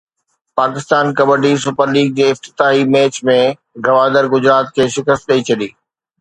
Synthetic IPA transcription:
paːkɪst̪aːnkɐbəɾɖis̬ʊpəɾliːɡ̚d͡ʑeːɪft̪ɪ̥t̪aːɦimeːt͡ɕmẽ | ɡɐʋaːd̪əɾɡʊd͡ʑɾaːt̪̚kʰeːʃɪkəst̪̚ɗɐit͡ɕʰɐɗiː

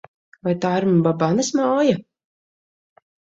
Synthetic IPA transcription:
vajt̪aːiɾmbabanasmaɔja

